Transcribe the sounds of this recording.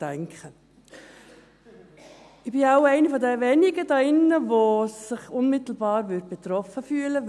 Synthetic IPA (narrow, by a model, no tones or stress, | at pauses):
ɛŋkχə | ɪb̥ɪaʊɛɪnifɔdɛʋɛniɡədɑɪnːəʋosɪχʊnmɪt̪l̩bɑːɾʋʏd̚b̥ɛt̪ɾɔfəfyːlə